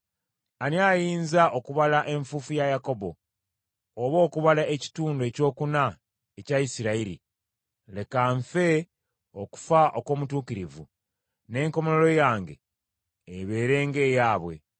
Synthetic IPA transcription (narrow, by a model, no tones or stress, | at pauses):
aniajiːnzaʔo̞kuβalaʔe̞ɱfufujajako̞bo̞ː | βo̞ːkuβalaeci̥tuːndwe̞co̞ːkuna | ecaisiɾaiɾḭ | le̞kaɱfe̞ | o̞ku̥faʔoko̞ːmutuːkiɾivṵ | ne̞ːŋko̞mololo̞jaːŋɡe̞̰ː | βe̞ːɾe̞ːŋɡe̞ːjaːβwe̞̰